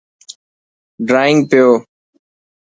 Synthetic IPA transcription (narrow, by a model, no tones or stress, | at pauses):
ɖɾaːɪŋɡ̚pɪjoː